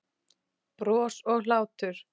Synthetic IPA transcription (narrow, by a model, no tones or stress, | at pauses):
pɾɔːsɔɣlaːwt̪ʏɾ̥